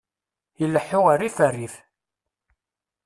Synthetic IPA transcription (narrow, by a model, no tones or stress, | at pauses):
jəlːəħːʊʁarifærːif